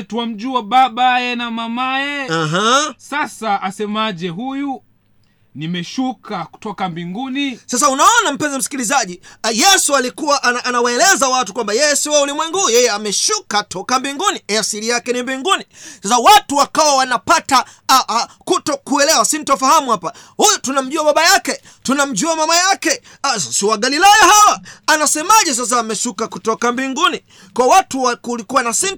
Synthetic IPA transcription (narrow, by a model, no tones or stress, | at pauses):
tuwam̩ʄuaɓaɓajɛnamamajɛaɦasasaʔasɛmaʄɛɦuju | nimɛʃukʰaku̥tɔkambiŋɡunisas̬aunaɔnam̩pɛnzɔm̩si̥kilizaʄijɛsualikuwaʔanaʔːnawaɛlɛzawatukwambajɛjɛsiwaulimwɛŋɡuujɛjɛamɛʃukatʰɔkambiŋɡuniɛasilijakɛnimbiŋɡunisasawatuwakawawanapata | kutɔkuɛlɛwasin̩tɔfahamuhapa | hujutunam̩ʄuaɓaɓajakɛ | tunam̩ʄuamamajakɛ | sasiwaɡalilajahawaːnasɛmaʄɛs̬as̬aːmɛʃukakutɔkambiŋɡuni | kɔwatuakulikuwanasin